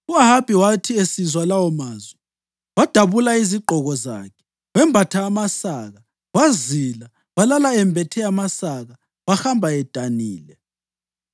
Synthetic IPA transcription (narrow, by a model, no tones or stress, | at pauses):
uaɦab̥ʱiwatʰiesizwalawɔmaːzwɛ | wad̥ʱaβulaiziɡ͡ǃʱɔɣɔza̰kʰɛ̥ | wɛmbʱatʰaːmasaɣa | wazila | walalaɛmbʱɛtʰɛamasaɣa | βaxambʱaɛd̥ʱaniːlɛ